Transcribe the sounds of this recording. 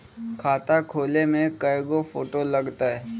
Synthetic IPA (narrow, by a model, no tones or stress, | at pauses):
kʰaːt̪akʰoːlemẽkəjɡofoːʈolɐɡt̪aɦɛː